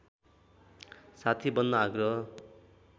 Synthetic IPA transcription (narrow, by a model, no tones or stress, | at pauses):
sat̪ʰibʌnːʌaɡɾʌ